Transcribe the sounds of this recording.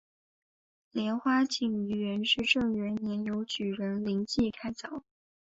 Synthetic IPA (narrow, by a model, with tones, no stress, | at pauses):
ljɛ˧˥nxwa˥t͡ɕʰi˨˩ŋy˧˥ɥɛ˧˥nʂɻ̩˥˧ʈ͡ʂɤ˥˩ŋɥɛ˧˥nnjɛ˧˥njo˧˥ʊt͡ɕy˨˩ɻə˧˥nli˧˥ŋt͡ɕi˥˩kʰa˥ɪt͡sɑ˨˩˦ʊ